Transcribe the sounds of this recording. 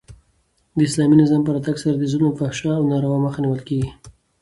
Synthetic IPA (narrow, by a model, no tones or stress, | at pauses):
d̪əɪslɑminɪzɑmpəɾat̪aɡsaɾad̪izunofahʃɑːwnɑɾawaməxaniwəlkeɡi